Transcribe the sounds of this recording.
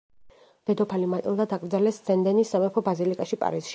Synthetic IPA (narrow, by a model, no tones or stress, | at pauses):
d̪̥ɛd̪ɔpʰalimat̪ʼḭlˠd̪ad̪akʼɾd̪zalɛsd̪z̥ɛnd̪ɛnisːamɛpʰɔbazilikʼaʃipʼa̰ɾisʃi